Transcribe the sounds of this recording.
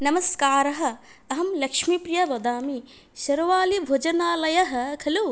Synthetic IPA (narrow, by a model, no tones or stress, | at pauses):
nɐmɐskaːɾɐɦɐ̆ | ɐɦɐmlɐkʂmipɾijɐʋɐd̪aːmi | ʃɐɾʋaːlibʱoːd͡ʒɐnaːlɐjɐɦɐ̆kʰɐluː